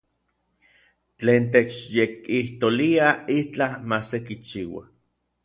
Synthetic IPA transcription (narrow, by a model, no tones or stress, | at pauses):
t͡ɬeːnt̪̬et͡ʃjekiht̪oliait͡ɬamasekit͡ʃiːwa̰